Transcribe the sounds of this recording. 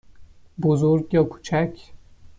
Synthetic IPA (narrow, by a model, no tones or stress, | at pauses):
bozuɾɡjɒːkʰu̥t͡ʃʰæcʰ